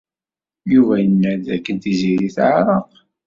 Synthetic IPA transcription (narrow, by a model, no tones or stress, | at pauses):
juvæjənːæd̪ækːənt̪iziɾiθʕɾˤɑq